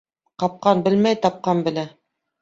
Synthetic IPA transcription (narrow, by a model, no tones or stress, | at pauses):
qɑp̚qɑnbɘ̆lmæjt̪ɑp̚qɑnbɘ̆læ